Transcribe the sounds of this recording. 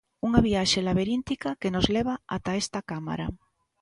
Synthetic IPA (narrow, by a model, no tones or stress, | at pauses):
uŋaβiaʃelaβ̞eɾint̪ikakenozleβ̞aa̰t̪aest̪akama̰ɾa̰